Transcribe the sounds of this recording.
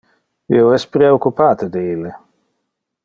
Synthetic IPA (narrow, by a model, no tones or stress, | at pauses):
ḭoɛspɾeokːupaːt̪ed̪eilːe